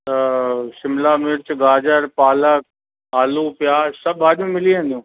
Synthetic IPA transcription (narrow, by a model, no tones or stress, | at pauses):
t̪ɐsɪmlaːmɪɾt͡ʃɡaːd͡ʒəɾpaːlək | aːluːpjaːzsɐbaːɗjũːmɪliẽnd̪ijũː